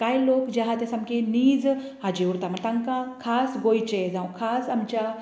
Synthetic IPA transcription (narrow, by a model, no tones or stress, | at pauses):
kaːjloːkd͡ʒaɦat̪esɐmkeniːd͡z | ɦad͡ʒeuɾt̪amɐt̪ɐ̃ŋkãkʰaːsɡojt͡ʃed͡zãw̃kʰaːsɐmt͡ʃa